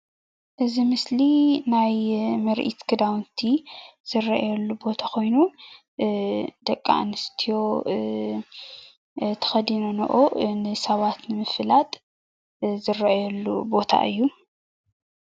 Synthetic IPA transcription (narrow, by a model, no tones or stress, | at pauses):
ʔɨzimɨslinajmɐɾʔḭt̪kʰɨd̪awnt̪ʰiz̥ɨrɐʔajɐlːubo̞t̪ʰako̞jnu | d̪̥ɐkʼːa̰ʔnɨst̪ʰijo̞ | t̪ʰɐ̥xɐd̪inonɐ̰ʔonɨsɐβat̪nɨmɨfɨlat̪ʼ | zɨrɐʔajɛlːubo̞t̪ʰa̰ʔɨjːu